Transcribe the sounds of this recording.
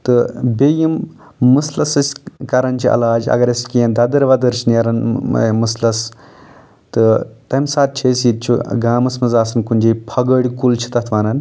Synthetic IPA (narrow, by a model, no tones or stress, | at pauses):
t̪ɨbʲejimː | ɨslɐsɐsʲkɐɾɐnʲt͡ʃʰiʔɐ̰laːd͡ʒɐ̰ɡɐɾʲɐskijɐ̃nd̪ɐd̪ɐɾʋɐd̪ɐɾʃinjɐɾɐnmɨslɐs | t̪ɨt̪ɐmsaːt̪̚t͡ʃʰesjit̪̚t͡ʃʰuɡaːmɐsmɐzaːsɐnkunʲd͡ʒejpʰɐɡəɽʲkult͡ʃʰi̥t̪ɐt̪ʰʋaːnɐn